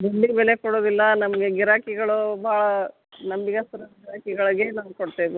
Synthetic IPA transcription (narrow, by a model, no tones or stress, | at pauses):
b̪uɳɖibɛle̞koɽoːd̪ilːɐnɐmɐɡeɡiɾaːkiɡɐɭubʱaːɭɐ | nɐmbiɡɐst̪ɐɾɐɡiɾaːkiɡɐɭɐɡe̞naːʋukoɽt̪eb